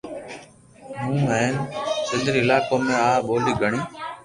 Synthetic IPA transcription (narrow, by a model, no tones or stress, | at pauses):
ɦũːɛːnsɪnd̪ɾiːɪlaːkoːmẽːaːɓoːliːɡʱəɳiː